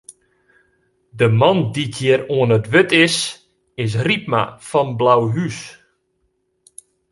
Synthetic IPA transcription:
dəmɑndikʰjɪəɾoənətʋʏtɪs | ɪs̬rip̚ma̰fɔnblawɦys

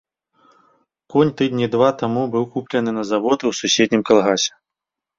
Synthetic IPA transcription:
kɔnʲt̪ɨd̪ʲnʲid̪vat̪amubɨwkuplʲɐnɨnɐzavɔt̪ɨwsusʲed̪̚ʲnʲimkalˠɣasʲɛ̥

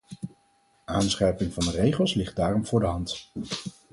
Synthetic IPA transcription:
aːnsχɛjpɪŋvɑndərejχəlˠslɪχt̚daːrɔmv̥ʊːɹdəɦɑnt

